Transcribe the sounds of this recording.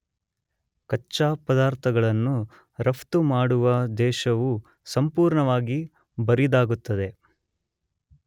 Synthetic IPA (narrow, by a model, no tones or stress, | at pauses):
kɐt͡ʃːaːpɐd̪aːɾt̪ʰɐɡɐɭɐnːu | ɾɐpt̪umaːɽuʋɐd̪ɛːʃɐʋu | sɐmpuːɾɳɐʋaːɡi | bɐɾid̪aːɡut̪ːɐd̪e̞